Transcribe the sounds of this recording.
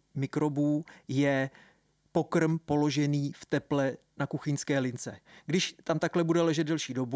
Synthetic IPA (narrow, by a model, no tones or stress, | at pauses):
mɪkɾo̞buːjɛ | po̞kr̩mpo̞lo̞ʒɛniːft̪ɛplɛnakuxɪɲskɛːlɪnt͡sɛɡdɪʃt̪amt̪aklɛbudɛlɛʒɛd̪̚dɛlʃiːdo̞bu